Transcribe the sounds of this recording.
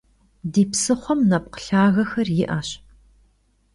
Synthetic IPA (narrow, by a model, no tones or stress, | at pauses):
diːpsɨχʷɔmnɐp̚qə̥ɬaːɣɐxɐrjɪʔaːɕ